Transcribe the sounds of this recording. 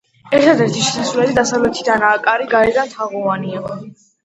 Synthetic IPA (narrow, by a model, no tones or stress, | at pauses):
ɛɾt̪ʰad̪ɛɾt̪ʰiʃinasulɛlid̪asavlɛt̪ʰid̪anaːkʼaɾiɡaɛd̪ant̪ʰaʁɔvania